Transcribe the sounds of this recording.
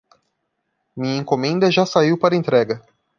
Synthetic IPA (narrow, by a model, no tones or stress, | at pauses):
mĩɲɐẽŋkomẽnd̪ɐʒasaiwpaɾɐẽnt̪ɾɛɡɐ